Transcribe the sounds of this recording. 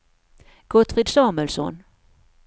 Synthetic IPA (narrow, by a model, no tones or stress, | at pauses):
ɡ̥ɔt̪fɪːd̪sɑːmɵlsɔ̰n